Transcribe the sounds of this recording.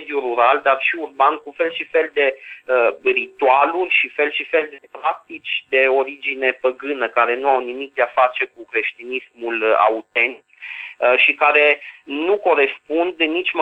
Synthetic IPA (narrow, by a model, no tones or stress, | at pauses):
d̪juruɾald̪arʃiurbankufe̞lʃife̞ld̪e̞ərit̪ualulʲʃife̞lʃife̞ld̪epɾak̚t̪it͡ʃʲd̪e̞o̞ɾid͡ʒine̞pəɡɨnəkaɾe̞nuawnimik̚d̪eafat͡ʃe̞kukɾe̞ʃt̪inismula̰ut̪e̞nt̪t̪kʃikaɾe̞nuko̞ɾe̞spund̪nit͡ʃʲm